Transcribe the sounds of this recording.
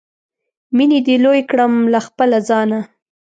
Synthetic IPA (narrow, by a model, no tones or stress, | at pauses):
minid̪ilojkɽəmlaxpəlazɑna